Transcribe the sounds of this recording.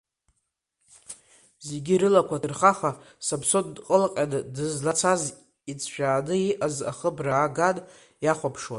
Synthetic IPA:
ze̞ɡʲiɾɨlakʷʰadɨrχaχa | sabsondqʼəlqʲʼanɨdɨzlat͡sʰaz | it͡sʰʼʃᶣaːnɨiʔaza̰χəbraːɡan | jaχʷapʰʂwa

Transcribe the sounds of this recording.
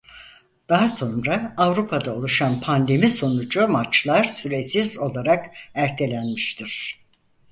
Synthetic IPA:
d̪̥aɦaso̞nɾaːvɾupʰad̪aolˠuʃanpʰand̪e̞miso̞nud͡ʒumat͡ʃlˠaɾsyɾe̞sizo̞lˠaɾakæɾt̪ʰe̞lʲænmiʃt̪ʰiɾ̥

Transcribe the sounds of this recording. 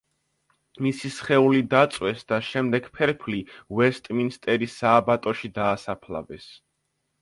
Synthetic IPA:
misisχɛulid̪at̪sʼwɛsd̪aʃɛmd̪ɛɡpʰɛɾpʰlivɛst̪ʼminst̪ʼɛɾisaːbat̪ʼɔʃid̪aːsapʰla̰vɛs

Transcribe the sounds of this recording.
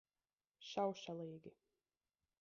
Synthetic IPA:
ʃawʃalˠiːɡʲi

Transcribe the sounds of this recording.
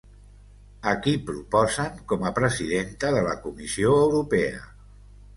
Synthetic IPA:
əkipɾupɔzəŋkɔməpɾəziðent̪əðələkumisioəwɾupɛə̰

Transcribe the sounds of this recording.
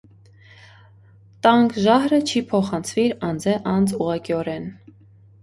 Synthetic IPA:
t̪ɑŋkʰʒɑɦɾət͡ʃʰipʰɔχɑnt͡sʰviɾɑnd͡zɛʔɑnd͡zuʁɑkiɔɾɛn

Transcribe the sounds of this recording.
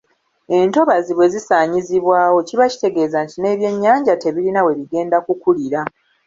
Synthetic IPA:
e̞nto̞βaziβwe̞zisaːɲiziβwaːwo̞ciβaci̥te̞ɡe̞ːzantine̞ːβje̞ɲːaːɲɟate̞βilinawe̞βiɡe̞ːndakukuliɾa

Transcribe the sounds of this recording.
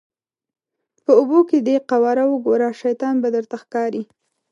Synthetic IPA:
pəuboked̪eqawɑɾawəɡoɾɑʃajt̪ɑnbad̪əɾt̪axkɑɾi

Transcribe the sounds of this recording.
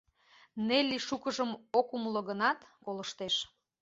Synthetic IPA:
nelʲiʃukəʒəmokumloɣənɑt̪koləʃt̪eʃ

